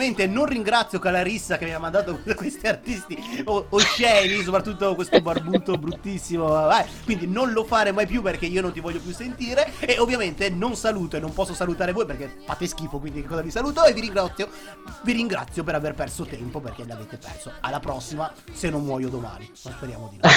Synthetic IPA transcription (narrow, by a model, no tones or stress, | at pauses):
ment̪enonriŋɡɾat̪sːjokalaɾisːakemiamãnd̪aːt̪okkwest̪iart̪ist̪iooʃɛːnis̬opɾat̪ːut̪ːokwest̪obarbuːt̪obɾut̪ːisːimoakwind̪inonlofaːɾemajpjuperkeiːonont̪ivɔʎːopjusːent̪iːɾeːovːjament̪enonsaluːt̪oenːompɔsːosalut̪aːɾevoːjperkefaːt̪eskiːfokwind̪ikekːɔzavisaluːt̪oeviɾiŋɡɾat̪sːjo | viɾiŋɡɾa̰t̪sːjop̬eɾaverpɛrsot̪ɛmpoperk̟elaveːt̪epɛ̰rsoalːapɾɔsːimasenːonmwɔːjod̪oma̰ːninonspeɾja̰ːmod̪ino